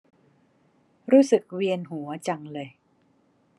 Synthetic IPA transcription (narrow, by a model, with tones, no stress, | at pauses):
ɾuː˦˥sɯ˨˩k̚wi˧ənɦu˩˦ɐt͡ɕa˧ŋlɤː˧j